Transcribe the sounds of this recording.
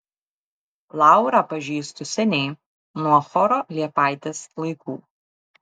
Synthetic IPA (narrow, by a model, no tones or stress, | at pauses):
lˠɑˑʊɾɑpɐʒʲiːst̪ʊsʲɛnʲɛɪ | nuɔxɔɾɔːlʲiɛpɑˑɪt̪ʲeːslˠɐɪkuː